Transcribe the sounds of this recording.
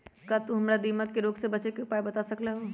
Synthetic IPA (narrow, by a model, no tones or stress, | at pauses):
kat̪uɦɐmɾad̪iːməkːeɾoːɡsebɐt͡ʃekeʊpaːebɐt̪asɐklaɦoː